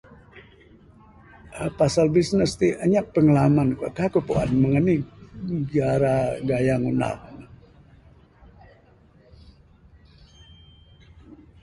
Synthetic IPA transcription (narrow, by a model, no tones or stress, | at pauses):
ʔəpasalbisnəst̪iʔəɲaʔ̚pəŋəlamanka̰kakupṵʔa̰nməŋəni | ɡaɾaɡajaŋuna̰l̚nə